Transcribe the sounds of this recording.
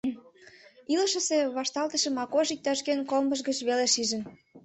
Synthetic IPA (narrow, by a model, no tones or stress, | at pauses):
ilə̆ʃə̆seβɑʃt̪ɑlt̪ə̆ʃĕmɑkoʒik̚t̪ɑʃkenkolmbəʃ̬ɡət͡ɕβeleʃiʒə̆n